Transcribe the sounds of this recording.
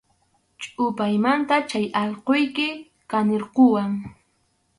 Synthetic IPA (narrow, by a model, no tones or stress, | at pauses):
t͡ʃʼʊpajmant̪at͡ʃajɑʎqojkɪ | kaneɾqowaŋ